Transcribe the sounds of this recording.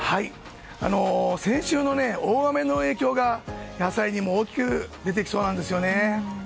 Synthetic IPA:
hai | a̰no̞sẽ̞ɰ̃ɕɨːno̞ne̞oːɡame̞no̞e̞ːkʲo̞ːɡajasaiɲ̟imo̞ːkʲi̥kɯ̟d̪e̞t̪̬e̞kʲi̥so̞ːnãnd̪e̞s̬ɨjo̞ne̞

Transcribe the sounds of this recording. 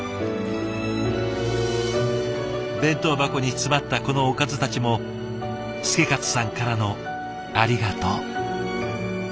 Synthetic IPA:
bẽ̞nt̪o̞ːbako̞ɲ̟it͡sɨmat̪ːako̞no̞ːkazɨt̪at͡ɕimo̞ | sɨ̥ke̞kat͡sɨ̥sãŋkaɾano̞ | aɾʲiɡat̪oː

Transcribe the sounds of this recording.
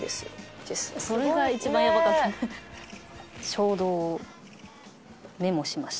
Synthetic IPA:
d̪esɨ̰d̪̥esɨ̥so̞ɾeɡait͡ɕibãjamaka | t͡ɕo̞ːd̪o̞ | ne̞mo̞ɕimaɕi̥

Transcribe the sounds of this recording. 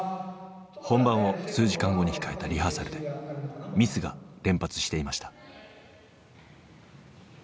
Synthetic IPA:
hõ̞mbãɰ̃o̞sɨːʑikãŋɡo̞ɲ̟içi̥kae̞t̪aɾʲiɦasaɾɯ̟d̪e̞mʲisɨɡa̰ɾẽ̞mpat͡sɨ̥ɕi̥t̪e̞imaɕi̥t̪ḁ

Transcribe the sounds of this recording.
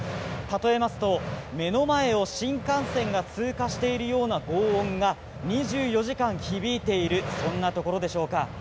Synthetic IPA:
t̪at̪o̞e̞masɨ̥t̪o̞me̞no̞mae̞o̞ɕĩŋkãɰ̃sẽ̞ŋɡat͡sɨːkaɕi̥t̪e̞iɾɯ̟jo̞ːnaɡo̞ːõŋɡa | ɲ̟iʑɨːjo̞ʑikãɰ̃çibʲiːt̪e̞iɾɯ̟sõ̞nːat̪o̞ko̞ɾod̪e̞ɕo̞ːka

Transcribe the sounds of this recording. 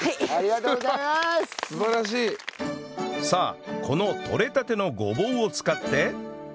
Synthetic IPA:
aaɾiɡat̪oɡzaimassɨbaɾaɕ̬iː | saːkʰo̞no̞t̪ʰo̞ɾe̞t̪at̪e̞no̞ɡo̞bõ̞ɰ̃o̞t͡sɨ̥kat̪ːe̞

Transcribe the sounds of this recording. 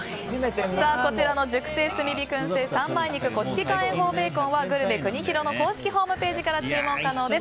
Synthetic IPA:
saːko̞t͡ɕiɾano̞d͡ʑɨkɯ̟̥se̞ːsɨmʲibʲikɯ̟̃ɰ̃se̞ːsãmmaiɲ̟ikɯ̟ko̞ɕi̥kʲikãɰ̃ẽɦo̞ːbe̞ːkõ̞ɰ̃βaɡɯ̟ɾɯ̟bekɯ̟ɲ̟içiɾo̞no̞ko̞ːɕi̥kʲiɦo̞ːmɯ̟pe̞ːʑikaɾat͡ɕɨːmõ̞ŋkano̞ːd̪e̞s

